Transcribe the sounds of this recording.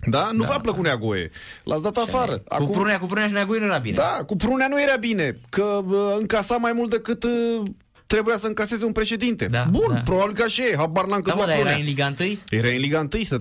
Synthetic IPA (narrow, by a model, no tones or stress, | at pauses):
d̪anufapləkuneaɡojḛlʔa̰t̪sd̪at̪afaɾə̰a̰kupɾuneakupɾuneaʃinjaɡojenujeɾabined̪akupɾunejanuje̞ɾabine̞kəɨŋkasamajmult̪̚d̪ekɨt̪ | t̪ːɾe̞bujasəɨŋkase̞ze̞unpɾe̞ʃe̞d̪int̪e̞abunpɾobabilkəaʃeɦabaɾnlaŋkəaɾuailiɡaɨnt̪ɨjjeɾainliɡaɨnt̪ɨjsə